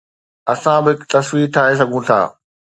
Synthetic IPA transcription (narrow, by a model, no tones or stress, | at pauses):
ɐsãbɪɦɪkt̪ɐswiːɾt̪ʰaːɦes̬ɐɡʱũt̪ʰa̰ː